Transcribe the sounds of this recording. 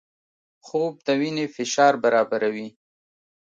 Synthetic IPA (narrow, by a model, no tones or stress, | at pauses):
xob̚d̪əwinefɪʃɑɾbaɾɑbaɾawi